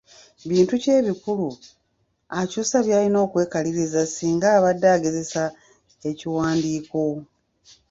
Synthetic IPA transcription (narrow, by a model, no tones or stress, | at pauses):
βiːntuce̞ːβikulu | acusaβjaːlino̞ːkwe̞ːkaliɾizasiːŋɡaːβadːaːɡe̞ze̞sa | e̞ciwaːndiːko̞